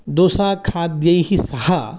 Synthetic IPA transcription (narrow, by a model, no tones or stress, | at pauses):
d̪oːsaːkʰaːd̪jɐiɦisɐhɐ